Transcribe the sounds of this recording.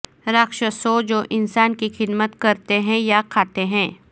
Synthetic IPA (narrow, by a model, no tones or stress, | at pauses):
ɾəkʃəsoːd͡ʒoːʔɪnsaːnkixɪd̪mət̪kɐɾt̪eɦɛ̃jakʰaːt̪eɦɛ̃ː